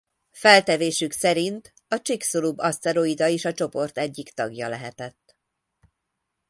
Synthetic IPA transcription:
fɛlt̪ɛveːʃyksɛɾint̪ | ɒt͡ʃiksolubɒst̪ɛɾoid̪ɒeːʃɒt͡ʃo̞po̞rt̪ɛɟːikt̪ɒɡjɒlɛɦɛt̪ɛt̪ː

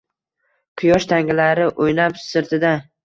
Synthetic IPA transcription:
qʰɨjɒʃt̪ʰaŋɪlaɾɪʔojnapsɪɾt̪ʰɪd̪a

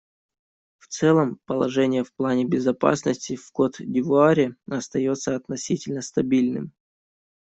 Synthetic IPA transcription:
ft̪sɛlˠəmpəlˠɐʐɛnʲɪjəfplˠanʲɪbʲɪzɐpa̰snəsʲtʲɪfko̞t̪dʲɪvʊaɾʲɪɐst̪ɐjo̞t̪səɐt̪nɐsʲitʲɪlʲnəst̪ɐbʲilʲnɨ̰m

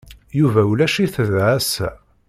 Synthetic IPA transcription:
juvæulæʃiθəðʕæs

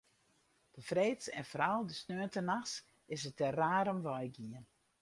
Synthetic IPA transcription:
d̥əfreːtsɛ̰nfɔɾalˠdəsnøəntənaxs | ɪsətɛraːɾəmʋɔjɡiən

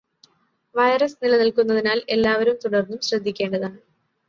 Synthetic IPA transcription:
ʋɐjrɐsnilɐnilkunːɐðinaːle̞lːaːʋɐɾumt̪uɽɐrnːumɕrɐd̪ʱːikʲːeːɳɖɐðaːɳɨ

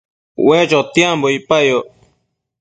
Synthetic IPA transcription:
wẽt͡ʃot̪iãmboipajo

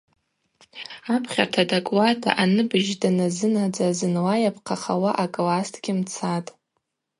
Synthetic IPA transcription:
apʰχʲartʰadakʼwadʰʼa̰ʔanɨbɨʒdanazɨnad͡zazɨnwajapʰqʰaχawaʔakʼlastʰʼɡʲɪmt͡sʰatʼ

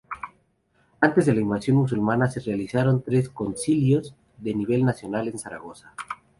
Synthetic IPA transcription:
ant̪e̞zðe̞laimbasjo̞nmus̬ulmanase̞realisaɾo̞nt̪ɾe̞sko̞nsiljo̞z | ðe̞niβ̞e̞lnasjo̞nale̞nsaɾa̰ɣ̞o̞sḁ

